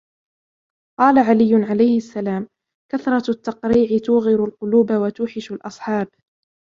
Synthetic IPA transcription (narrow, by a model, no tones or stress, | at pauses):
qɑːlaʕalɪjːʊnʕalajhɪʔasːalaːm | kaθɾˤɑt̪ːɑqɾiːʕɪt̪uːɣɪɾʊlqʊluːbawat̪uːħɪʃalʔɑsˤħɑːb